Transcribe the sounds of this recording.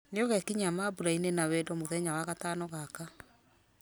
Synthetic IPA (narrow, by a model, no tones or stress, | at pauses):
neɔɣɛkiɲamabuɾainenawɛdɔmoðɛɲawaɣataːnɔɣaka